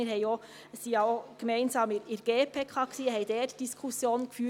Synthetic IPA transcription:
əhɛɪoː | siːɑoɡ̥əmæɪnzɑːmɪɾɪɾɡ̥eːpʰeːkʰɑksiːəɦɛɪd̥ɛːtd̥iskʰusjoːnkfyː

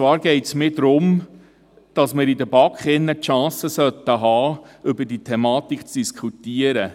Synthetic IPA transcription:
t͡sʋɑːɾɡɛɪtsmɪːd̪ɾʊm | d̥ɑsmɪːɾidəbɑkχɪnːətʃɑ̃ːsəsœt̪ːəɦɑːʏbəditʰɛmɑːtikt͡sd̥iskʰχutiəɾə

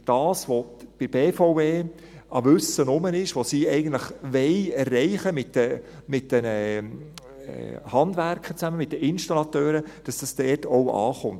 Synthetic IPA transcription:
d̥ɑːsʋob̥ɪb̥eːfoʊveː | ɑʋʏsənʊmənɪʃʋosiːɛɪɡən̩tləχʋɛɪɛrːɛɪχəmɪtdəmɪt̚d̥ɛnə | hɑndvæɾkχət͡sæməmɪt̚d̥əɪnʃtɑlɑtøːɾəd̥ɑsd̥ɑsd̥ɛːtowʔɑ̰ːχʊnt

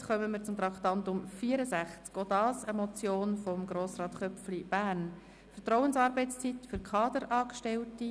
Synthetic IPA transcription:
χœməmiːɾt͡sʊmt̪ɾɑkχtɑntʊmfiːəɾəsæχt͡skod̪ɑːsəmɔt͡sjoːnfɔmɡɾoːsrɑːt̪χœpflib̥æːn | fəɾtrɔwənsɑːɾbɛɪt͡st͡sit̪fʏɾkʰɑːd̥̪əɾɑːkʃtɛlti

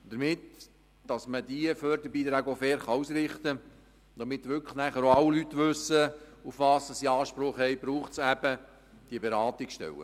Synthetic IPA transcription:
d̥̪əɾmɪt | d̥ɑsməd̪iəføːɾd̪əɾbiːdɾæɡofɛːɾχɑusɾɪχt̪ə | d̥̪ɑmɪt̪ːʋʏkʰlənæχəɾoɑwlyt̪ːʋʉsəufʋɑːsɑsiɑːʃpɾʊχhɛjbɾuːχtsæb̥ə | d̥iəbeɾɑːt̪ɪkʃtɛ̰wə̰

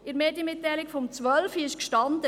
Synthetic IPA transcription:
ɪɾmeːdjəmɪtːæjlɪkfɔmt͡sʋœlfiɪʃkʃtɑnd̥̪ə

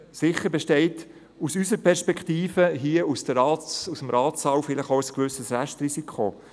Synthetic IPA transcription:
sɪχːəɾbɛʃtɛɪt | usysəɾpʰɛɾʃpɛkχtiːfəɦiəusd̥əɾɑːusəmɾɑːtt͡sɑwfɪlɪχowəskʋʏsəsræʃtrisikʰo

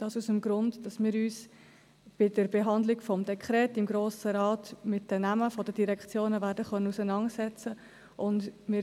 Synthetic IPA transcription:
d̥ɑːsusəmɡɾʊndd̥ɑsmɪːɾyːs | b̥ɪdəɾbeɦɑndlɪɡfɔmdɛkʰχɾɛːtɪmɡɾoːsəɾɑːtmɪtdənæməfɔdədiɾɛkt͡sjoːnəvæɾdəχœnənusənɑntsɛt͡sə | ʔʊndmɪːɾ

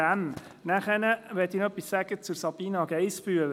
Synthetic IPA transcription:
æm | næχɛnəʋɛt̪inœpːissæɡ̥ət͡sʊɾsɑb̥iːnɑɡɛjsb̥yəl

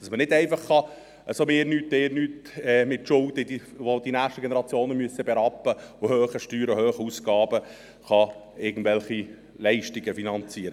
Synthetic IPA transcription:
d̥ɑsmənɪdɛɪfɑχːɑ | əsomeːɾnyːtmeːɾnyːtɛːmɪtʃʊld̥̪əidiʋod̪inæːχʃtəɡenəɾɑt͡sjoːnəmyəsəbɛɾɑpːəʊhøːχəʃtyːɾəhøːχəusɡɑːb̥ə | χɑɪɡən̩dʋɛlχi | lɛɪʃtiɡəfinɑnt͡siːəɾə

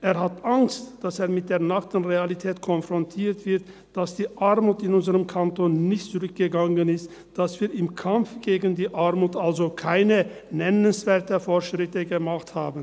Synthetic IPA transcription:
ʔeːɐhatʔaŋstd̥aseːɐmɪt̚d̥eːɐnaktən̩ʁealitʰɛːtkʰɔnfʁ̥ɔntʰiːɐtv̥ɪɐt | d̥asd̥iːʔaɐmuːtɪnʊnzəʁəmkʰantoːnːɪçtt͡sʊʁʏk̚ɡ̥əɡaŋənɪst | d̥asv̥iːɐɪmkʰamfɡ̥eːɡən̩diːʔaɐmuːtʔalzokʰaɪnənɛnənsv̥eːɐtəfoːɐʃʁ̥ɪtəɡəmaχthaːbn̩

